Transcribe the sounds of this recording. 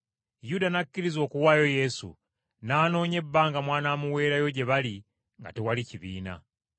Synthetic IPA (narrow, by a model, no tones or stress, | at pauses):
judanakːiɾizo̞ːkuwaːjo̞je̞sṵ | naːno̞ːɲe̞bːaːŋɡamwaːnamuwe̞ːɾajo̞ɟe̞βali | ŋɡa̰tewaliciβiːna̰